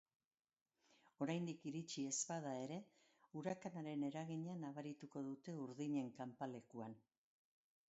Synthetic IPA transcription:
o̞ɾajnd̪ikiɾit͡ʃie̞spaðae̞ɾe̞ | uɾakanaɾe̞ne̞ɾaɣ̞iɲanaβaɾit̪uko̞ðut̪e̞uɾðiɲe̞ŋkampale̞kuan

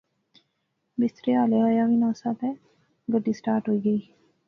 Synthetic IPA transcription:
bɪst̪ɾeaːleajaʋinaːsabɦɛ | ɡəɖiːsʈaːɾʈɦoiːɡəiː

